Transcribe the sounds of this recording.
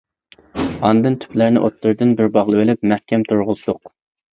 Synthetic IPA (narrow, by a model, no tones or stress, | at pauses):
ɑnd̪ɨnt̪ʰy̥plæɾnɪ̰ʔot̪ːɨɾd̪ɨnbɪɾbɑʁlˠɨwelɪpmæhkʲɛmt̪ʰuɾʁʊzt̪ʊq